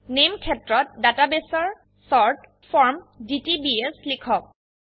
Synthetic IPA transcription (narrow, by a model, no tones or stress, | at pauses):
nemkʰɛtɹɔt̚databesɔɹ | sɔɹt | fʰɔɹmditibieslikʰɔk̚